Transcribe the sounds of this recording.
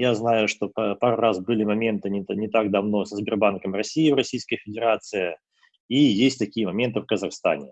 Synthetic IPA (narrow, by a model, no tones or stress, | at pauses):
jaznajʊʂt̪o̞ppaɾʊɾasbɨlʲɪmɐmʲe̞nt̪ɨnʲɪnʲɪt̪aɡd̪ɐvno̞səzbʲɪrbankəmrɐsʲiɪvɾɐsʲijskəjəfʲɪdʲɪɾat̪sɨjɪ | ijesʲtʲt̪ɐkʲijəmɐmʲe̞nt̪ɨfkəzɐxst̪a̰nʲɪ